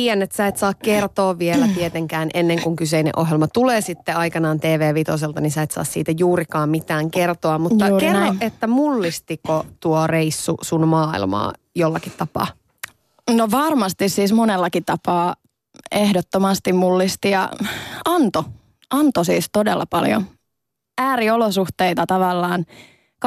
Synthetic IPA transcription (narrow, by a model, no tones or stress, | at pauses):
iːɛnːet̪sæit̪sɑːkkert̪oːʋʋielæt̪iet̪eŋkæːnʔenːeŋkuŋkyseinḛʔoɦjelmɑt̪uleːsit̪ːeɑikɑnɑːnt̪eːʋeːʋit̪os̬elt̪ɑnisæit̪sɑ̰ːssḭːt̪æjuːɾikɑːmmit̪æːŋkert̪oɑmut̪ːɑkerːoet̪ːæmulːist̪ikot̪uoreisːusunmɑːḭlmɑ̰ːjolːɑkit̪t̪ːɑpɑ̰ː | noʋɑrmɑst̪issiːsmonelːɑkit̪ɑpɑː | ehdot̪ːomɑst̪immulːist̪ijɑ̰ɑnt̪o | ʔɑnt̪osiːst̪odelːɑ̰pɑljo̰ | æːɾiolosuht̪eit̪ɑt̪ɑʋɑlːɑːn | k